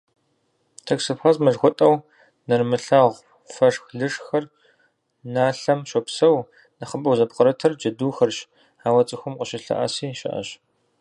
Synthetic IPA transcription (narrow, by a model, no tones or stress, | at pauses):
tʰɐksɨpχɐzmɐɮxʷɔtʼɐw | nɐrmɨɬaːʁʷ | fɐʂxɮɨʂxɐr | naːɬɐmʃɔpsɐw | nɐχəbɐwzɐpqɐɾɐtʰɐrd͡ʒɐduːxɐrɕ | aːwɐt͡sʼɨxʷʊmqʼəʃɪɬɐ̰ʔɐ̰siːʃɪ̰ʔɐ̰ɕ